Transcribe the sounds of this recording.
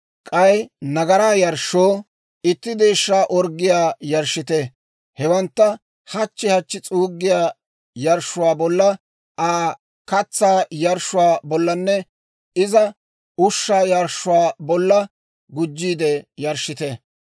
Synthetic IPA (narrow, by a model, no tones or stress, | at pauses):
kʼɐjnɐɡɐɾaːjɐɾʃoː | ɪt̪ːɪd̪eːʃːaːʔɔɾɡːɪjaːjɐɾʃːɪt̪e | hɛwɐnt̪ːɐ | hɐt͡ʃːɪhɐt͡ʃːɪt͡sʼuːɡːɪjaː | jɐɾʃːʊwaːbɔlːɐ | ʔaː | kɐt͡sːaːjɐɾʃʊwaːbɔlːɐnːɛ | ɪzɐ | ʊʃːaːjɐɾʃʊwaːbɔlːɐ | ɡʊd͡ʒːiːd̪ɛjɐɾʃːɪt̪e